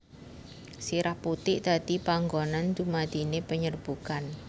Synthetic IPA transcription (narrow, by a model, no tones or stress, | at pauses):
siɾahput̪ɪʔd̪̥a̤d̪̥ipaŋɡonand̪umad̪̥inepəɲərb̥ukan